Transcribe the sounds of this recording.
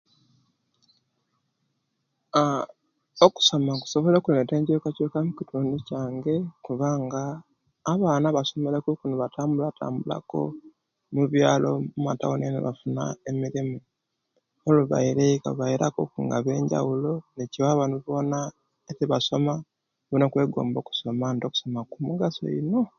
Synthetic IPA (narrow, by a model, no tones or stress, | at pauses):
oku̥so̞maku̥so̞βolokune̞te̞ːɲɟokacokamucituːnducaːŋɡe̞kuβaːŋɡaː | βaːnaβaso̞me̞lekukunoβatʰaːmbulatʰa̰ːmbula̰ko̞̰ | muβjaːlo̞̰mumata̰wonenḛβa̰funa̰emiɾimu | oluβa̰iɾekaβaiɾakokuŋɡa̰βe̞ːɲɟa̰wuloneciwaβanuβo̞na | etiβaso̞ma | βunokwe̞ːɡo̰ːmbo̞ːku̥so̞mando̞ku̥so̞makumuɡaso̰ḭno